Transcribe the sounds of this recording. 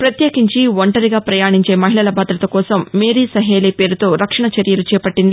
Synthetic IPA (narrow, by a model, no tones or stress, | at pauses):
pɾɐt̪jeːkiɲt͡ʃiʋɐɳʈɐɾiɡaːpɾɐjaːɳiɲt͡ʃe̞ːmɐɦilɭɐlɐbʱɐːd̪ɾɐt̪ɐkɔːsɐmːeːɾisɐɦeːleːpeːɾut̪o̞ːɾɐkʂɐɳɐt͡ʃɐɾjɐlut͡ʃɛːpɐʈːind̪i